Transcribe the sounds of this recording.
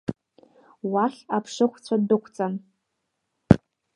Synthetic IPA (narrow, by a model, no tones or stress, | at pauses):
waχʲapʰʂɨχʷʰt͡sʷʰadɨkʷʰt͡sʼan